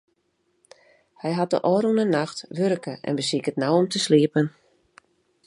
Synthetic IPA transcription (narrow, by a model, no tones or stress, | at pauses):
hɛjɦat̚də̰ʔɔːɾunənaxtʋørkəɛ̰nbəsikətnawɔmtəsliəpən